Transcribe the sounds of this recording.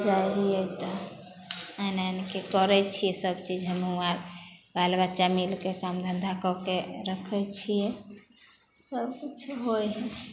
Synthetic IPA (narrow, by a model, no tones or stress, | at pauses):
d͡ʒajɦijɛt̪ɔ | anankekəɾɛt͡ʃʰijɛsəbt͡ʃid͡ʒɦɛmeuaɾbalbat͡ʃamilkekamd̪ʱənd̪ʱakɔkeɾəkʰɛt͡ʃʰijɛ | səbkit͡ʃʰɦojɦɛ